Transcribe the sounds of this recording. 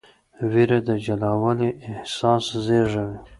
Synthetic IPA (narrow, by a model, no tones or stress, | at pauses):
wiɾad̪əd͡ʒalawaliʔɪhsɑszeʐawi